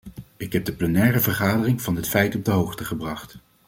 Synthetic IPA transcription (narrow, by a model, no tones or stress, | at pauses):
ɪkɦɛb̚dəplənɛːrəvəɹχaːdərɪŋv̥ɑnɦətfɛjtɔb̚dəɦowχtəχəbrɑχt